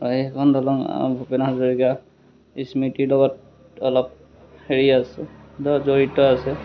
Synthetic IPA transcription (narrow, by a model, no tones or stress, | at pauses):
ɔɦɛkʰɔnd̪ʱɔlɔŋ̰bʱupenazɔɹika | ismitilɔɡɔt̚ | ɔlɔp̚ | heɹiasɛdɔzoɹitɔasɛ